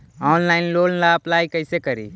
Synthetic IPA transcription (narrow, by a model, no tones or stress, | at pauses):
ɔːnlaːɪnloːllaɐplaːjkəɪsekəɾḭː